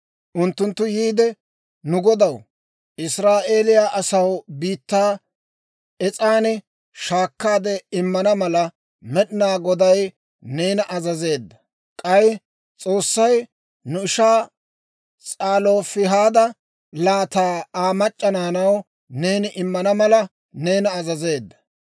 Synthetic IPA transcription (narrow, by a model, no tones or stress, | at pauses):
ʔʊnt̪ːʊnt̪ːʊjiːd̪ɛ | nʊɡɔd̪ɐw | ɪsɾaːʔe̞ːlɪjaːʔɐsɐwbiːt̪ːaː | ɛt͡sʼaːnɪ | ʃaːkːaːd̪ɛɪmːɐnɐmɐlɐ | mɛɗɪnaːɡɔd̪ɐj | ne̞ːnɐʔɐzɐze̞ːd̪ːɐ | kʼɐj | t͡sʼo̞ːsːɐj | nʊɪʃaː | t͡sʼaːlo̞ːfɪɦaːd̪ɐ | laːt̪aːaːmɐt͡ʃʼːɐnaːnɐw | ne̞ːnɪʔɪmːɐnɐmɐlɐ | ne̞ːnɐːzɐze̞ːd̪ːɐ̥